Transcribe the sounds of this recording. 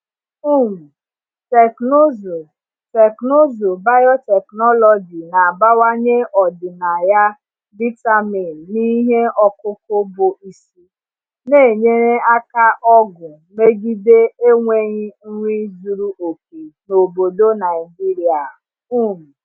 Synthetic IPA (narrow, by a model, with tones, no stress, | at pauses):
u˦˨m̩˨ | te˨kno˦zo˨ | tɛ˨kno˦zo˨ba˦jɔ˦tɛ˨knɔ˦lɔ˨d͡ʒi˨na˨a˨ba˦wa˦ɲe˦ʔɔ˨dɪ˨na˨ja˦ | bi˦ta˦mi˨nni˦ɦe˦ɔ˦kʊ˦kʊ˦bʊ˨i˦si˦ | ne˦˨ɲe˦ɾe˦a˦ka˦ʔɔ˦ɡʊ˨ | me˦ɡi˦de˦e˦ŋʷe˨ɲi˦ŋ̩˦ŋʷi˦zu˨ɾu˦ʔo˨ke˨no˨bo˨do˦na˨ɪ˨d͡ʒi˦ɾi˨a˨ | u˦˨m̩˨